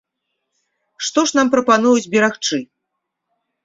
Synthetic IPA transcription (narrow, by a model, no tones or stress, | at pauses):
ʂt̪ɔʂnampɾɐpanujud͡zʲbʲɛɾaxt͡ʂɨ